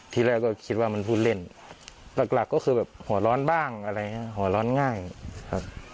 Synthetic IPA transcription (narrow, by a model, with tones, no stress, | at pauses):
t̪ʰiː˧lɛː˧˩˨wkɔː˧˩kʰi˧t̪̚waː˧ma˧˥˨npʰuː˧˩t̪̚le˧˩n | la˨˩k̚la˨˩kːɔː˧˥˩xʰɯː˧bɛː˨˩p̚hu˩˦lɔː˦˥nbaː˧˥˩ŋʔa˧ɾa˧jŋa˧˥˨hu˩˦lɔː˦˥nŋaː˧˥˩jkʰa˧˩p̚